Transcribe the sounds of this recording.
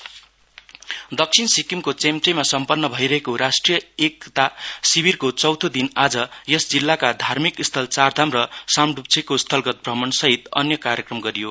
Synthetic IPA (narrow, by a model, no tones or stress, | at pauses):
d̪ʌk̚sʰinsikimkot͡semt̪remasʌmpʌnːʌbʱʌiɾʌɦekoɾasʈrijʌek̚t̪asibʱirkot͡sʌwt̪ʰod̪inad͡zʌjʌsd͡zilːakad̪ʱarmikist̪ʰʌlt͡sard̪ʱamrʌsamɖup̚t͡sʰekost̪ʰʌlɡʌt̪̚brʌmʌnsʌɦit̪ʌ̰njʌkaɾjʌkrʌmɡʌɾijo